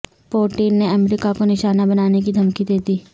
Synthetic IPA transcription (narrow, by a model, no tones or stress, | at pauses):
poːʈiːnːeɐmɾɪkakonɪʃaːnabɐnaːnekid̪ʱɐmkid̪eːt̪iː